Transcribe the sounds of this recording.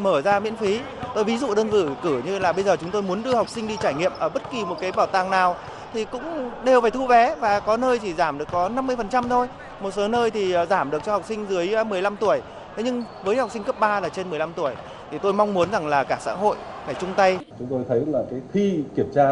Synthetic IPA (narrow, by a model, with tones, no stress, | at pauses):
məː˧˩zaː˧mḭ˧˥ənfi˨˦ | t̪o˧jvi˨˦zṵ˧˨ɗəː˧nzɨ̰˧˩kɨ˧˩ɲɨ˧laː˨˩ɓə˧jzəː˨˩t͡ɕʊ˨˦ŋ͡mt̪o˧jmu˨˦ənɗɨ˧əha˨˩wk͡p̚sï˧ŋ̟ɗi˧t͡ɕaː˧˩jŋḭ˧˨əmʔəː˧˩ɓə˦˥t̚ki˨˩mo˨˩t̚kaː˨˦jɓaː˧˩wt̪aː˨˩ŋnaː˨˩w | t̪ʰi˨˩kʊ̰˧˥ŋ͡mɗe˨˩wfaː˨˩jt̪ʰu˧vɛ˨˦vaː˨˩kɔ˨˦nəː˧jt̪ʰi˨˩zaː˧˩mɗɨ˨˩əkkɔ˨˦na˧mːɨ˧əjfə˨˩nt͡ɕa˧mt̪ʰo˧j | mo˨˩t̚so˨˦nəː˧jt̪ʰi˨˩˨zaː˧˩mɗɨ˨˩ək̚t͡ɕɔ˧ha˨˩wk͡p̚sï˧ŋ̟zɨ˨˦əjmɨ˨˩əjla˧mt̪u˧˩əj | t̪ʰɲɨ˧ŋvəː˨˦jha˨˩k͡p̚si˧ŋ̟kə˦˥p̚ɓaː˧laː˨˩t͡ɕe˧nmɨ˨˩əjla˧mt̪u˧˩əj | t̪ʰi˨˩t̪o˧jma˧wŋ͡mmu˨˦ənza˨˩ŋlaː˨˩kaː˧˩sa̰ː˧˥ɦo̰˧˨j | faː˧˩jt͡ɕʊ˧ŋ͡mt̪a˧jt͡ɕʊ˨˦ŋ͡mt̪o˧jt̪ʰə˨˦˥laː˨˩kaː˨˦xi˧ki˧˩əmt͡ɕaː˧